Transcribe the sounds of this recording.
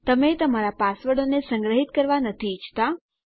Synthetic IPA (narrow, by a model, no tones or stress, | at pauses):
t̪əmet̪əmaɾapasʋəɽonesə̃ŋɡɾəɦit̪̚kəɾʋanət̪ʰit͡ʃʰt̪a